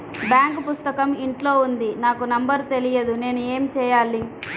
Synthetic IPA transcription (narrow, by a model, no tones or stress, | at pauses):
bjaːŋkpust̪ɐkɐmiɳʈloːund̪inaːkunɐmbɐɾt̪e̞lijɐd̪une̞ːnue̞ːmt͡ʃɛːjaːlːi